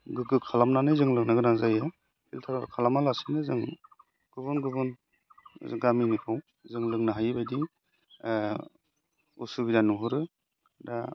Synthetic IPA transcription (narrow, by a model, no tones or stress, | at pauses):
ɡɯɡɯkʰalamnanɯjzɯŋlɯŋnaɡɯnazaja | bʰiltʰaɾaɾ̰kʰalamalasinɯzɯŋ | ɡ̥ɯbɯnɡɯbɯn̰ | ɡaminikʰaw | zɯŋlɯŋnaɦajbajdi | usubidanuɦɯɾɯ | ɾa